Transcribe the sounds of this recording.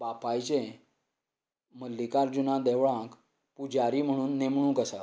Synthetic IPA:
bapajt͡ɕẽ | məlːikaɾd͡ʑunãd̪ɛʋɭãk | pud͡ʑaɾiːm̤əɽ̃uːnːemɳũːkəsa

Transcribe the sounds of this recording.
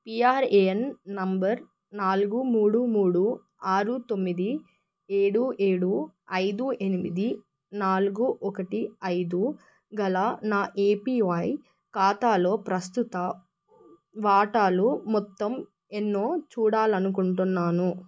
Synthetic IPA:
piːaːɾenːɐmbɐɾ | naːluɡumuːɽumuːɽu | aːɾut̪o̞mːid̪i | eːɽue̞ːɽuɐjd̪uʔenimid̪i | naːluɡuʔɔkɐʈiɐjd̪u | ɡɐlanaːʔeːpiːʋɐj | kaːt̪aːlo̞ːpɾɐst̪ut̪ɐ | ʋaːʈaːlumɔt̪ːɐm | enːo̞ːt͡ʃuːɽaːlɐnuk̬uɳʈunːaːnu

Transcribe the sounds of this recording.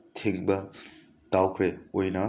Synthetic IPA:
tʰeŋbɐ | tawkʰɾeojnɐ

